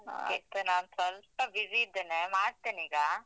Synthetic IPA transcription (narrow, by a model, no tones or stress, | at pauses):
it̪ːunaːnsɐlp̚ɐʋiziːd̪ːeːnemaːɽt̪eːniːɡa